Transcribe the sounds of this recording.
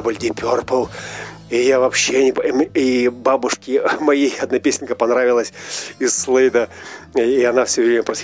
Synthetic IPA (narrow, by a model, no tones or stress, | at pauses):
bəlʲd̪ʲɪpʲorpəlˠ | ijavɐpɕːenʲɪpibabʊʂkʲɪmɐjejɐd̪napʲesʲɪnʲkəpɐnɾavʲɪlˠəsʲɪsːlˠejd̪ə | iɐnafsʲovɾʲemʲəpɾɐsʲ